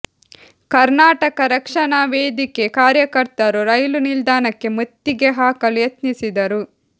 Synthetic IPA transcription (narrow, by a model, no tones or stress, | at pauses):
kɐɾnaːʈɐkɐɾɐkʂɐnaːʋeːd̪ike̞kaːɾjɐkɐɾt̪ɐɾuɾɐjlunild̪aːnɐkːe̞mut̪ːiɡeɦaːkɐlujɐt̪nisid̪ɐɾu